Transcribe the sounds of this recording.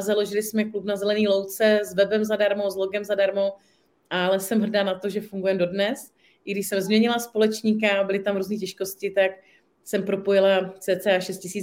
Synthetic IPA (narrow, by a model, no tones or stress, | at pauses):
zalo̞ʒɪlɪsmɛklupnazɛlɛniːlo̞wt͡sɛzvɛbɛmzadaɾmozlo̞ɡɛmzadaɾmo̞ | ʔalɛsɛmɦr̩daːnat̪o̞ʒɛfuŋɡujɛmdo̞dnɛs | ɪɡdɪʃsɛmzmɲɛɲɪlaspo̞lɛt͡ʃɲik̬abɪlɪt̪amɾuːzniːcɛʃko̞scɪt̪ak | sɛmpɾo̞po̞jɪlat͡sɛːt͡sɛaːʃɛst̪̚cɪsiː